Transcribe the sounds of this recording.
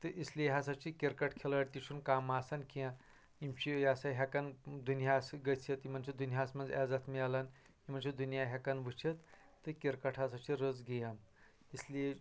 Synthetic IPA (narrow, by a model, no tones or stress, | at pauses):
t̪ɨʔisliɦasat͡ʃikʲeɾkɐʈʰkʰelaʈt̪it͡ʃʰunkaːmaːsankʰiã | imt͡ʃʰijasaɦakand̪unjasɡɐt͡sʰit̪imɐnt͡ʃʰid̪unɦjaːsmɐnd͡zad͡zat̪ʰmialan | im̤ɐnt͡ʃʰid̪unijaɦʲakɐnʋɨt͡ʃʰit̪ː | ɨkeɾkɐʈʰɦasat͡ʃʰiɾəd͡zɡijam | isli